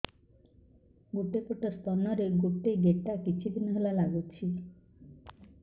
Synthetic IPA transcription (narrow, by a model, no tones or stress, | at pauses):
ɡuʈepoʈast̪ɔnɔɾeɾɡuʈeɡeʈːakit͡ʃʰid̪ʱinɦelalaɡut͡ʃʰi